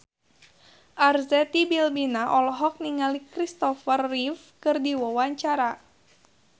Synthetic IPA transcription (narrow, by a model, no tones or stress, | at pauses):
ʔarzɛt̪ibilbinaʔɔlɔɦɔk̚niŋalikɾist̪ɔfərːif | kɨrdiwɔwaɲt͡ʃaɾa